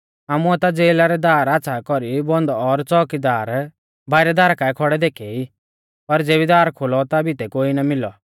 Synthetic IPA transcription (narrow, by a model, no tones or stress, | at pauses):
aːmuɛt̪ad͡zeːlaɾɛd̪aːɾatːt͡sʰakɔɾibɔ̃nd̪ɔɾt͡sɔːkid̪aːɾ | bʱaːɪɾɛd̪aːɾakaɛkʰɔɽɛd̪eːkʰɛi | pɐɾd͡zeːbid̪aːɾkʰolɔt̪abʱit̪ɛkoːinamɪlɔ̰